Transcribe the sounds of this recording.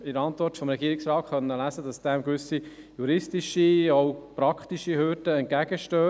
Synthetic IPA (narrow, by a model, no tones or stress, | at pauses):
ɪɾɑntʋɔɾtfɔmɾɛɡiːɾɪksɾɑːtχœnːəlæzəd̥ɑsd̥ɛmkʋʏsi | juɾɪstiʃioʊpɾɑkχtiʃihøːɾdəɛnt̚kæɡ̥əʃtøː